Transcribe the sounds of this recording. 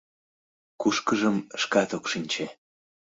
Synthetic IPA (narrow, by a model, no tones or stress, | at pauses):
kuʃkəʒəmʃkɑt̪okʃinʲt͡ɕe